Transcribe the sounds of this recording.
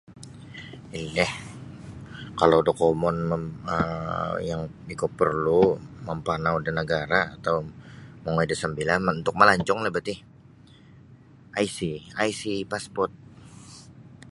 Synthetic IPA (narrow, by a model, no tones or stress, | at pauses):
ilɛh | kalawdokomɔnməə̰jaŋikʊpərlumampanaudanəɡaɾaːt̪awmaŋoidasəmbilanmaunt̪ʊk̚malaɲt͡ʃɔŋlabət̪ɪh | ʔaisiajsipaspɔrt̪̚